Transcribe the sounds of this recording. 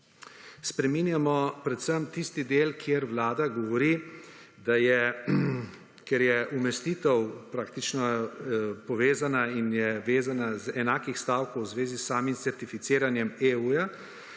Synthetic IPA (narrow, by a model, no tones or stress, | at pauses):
spɾɛminjamɔpɾɛt̪səmt̪ist̪id̪eːlkʰjeːɾwlaːd̪aɡɔʋɔɾi | d̪ajɛ | kɛɾjɛʔumɛst̪iːt̪ɛwpɾaːk̚t̪it͡ʃnɔ | pɔʋeːzanainjɛʋeːzanazɛnaːkixst̪aːwkowzʋeːzisːaːmimt̪sɛɾt̪ifit̪seːɾanjɛmeuja